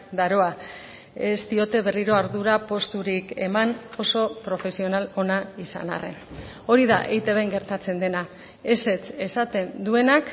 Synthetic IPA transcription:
d̪aɾo̞a | e̞st̪io̞t̪e̞βe̞riɾo̞aɾðuɾapo̞st̪uɾike̞̰mano̞so̞pɾo̞fe̞sio̞nalo̞naisa̰na̰rḛn | o̞ɾiða̰ʔejt̪eβeŋɡe̞ɾt̪at͡se̞nd̪e̞na | e̞se̞t͡se̞sat̪e̞nd̪ue̞nak

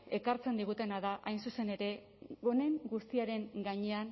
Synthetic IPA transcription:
e̞kaɾt͡se̞nd̪iɣ̞ut̪e̞naðaʔajnsuse̞ne̞ɾe̞ | ɣo̞ne̞ŋɡust̪iaɾe̞ŋɡaɲe̞an

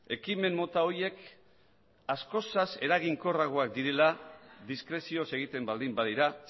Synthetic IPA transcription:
e̞kime̞mːo̞t̪ao̞je̞k | asko̞sase̞ɾaɣ̞iŋko̞raɣ̞oak̚d̪iɾe̞laðiskɾe̞sio̞se̞ɣ̞it̪e̞mbald̪imbaðiɾa

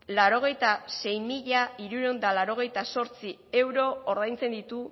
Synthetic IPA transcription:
laɾo̞ɣ̞e̞jt̪ase̞jmiʎaiɾuɾond̪alaɾo̞ɣ̞e̞jt̪aso̞ɾt͡si | e̞wɾo̞oɾðajnt͡se̞nd̪it̪u

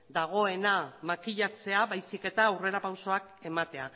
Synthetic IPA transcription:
d̪aɣ̞o̞e̞namakiʎat͡se̞aβajsike̞t̪aːwre̞ɾapawso̞ak | e̞mat̪e̞a

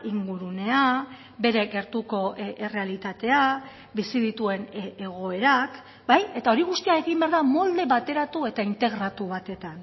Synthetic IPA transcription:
iŋɡuɾune̞a | be̞ɾe̞ɣe̞ɾt̪uko̞ere̞alit̪at̪e̞a | bisiðit̪ue̞neɣ̞o̞e̞ɾak | baje̞t̪ao̞ɾiɣ̞ust̪iae̞ɣimbeaɾðamo̞ld̪e̞βat̪e̞ɾat̪ue̞t̪aint̪e̞ɣɾat̪uβat̪e̞t̪an

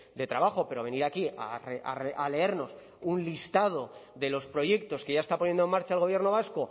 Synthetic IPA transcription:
d̪e̞t̪ɾaβaχo̞pe̞ɾo̞β̞e̞niɾakia̰rea̰reʔale̞e̞ɾno̞s | unlist̪að̞oðe̞lo̞spɾo̞ʝe̞k̚t̪o̞ske̞ʝaest̪apo̞nje̞nd̪oe̞maɾt͡ʃaelɣo̞β̞je̞ɾno̞β̞asko̞

